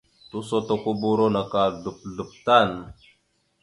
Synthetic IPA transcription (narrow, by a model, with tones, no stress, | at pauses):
tu˦so˦to˦ku˦bu˦ɾo˦na˨ka˨du˨p̚ɮu˨p̚ta˦˨n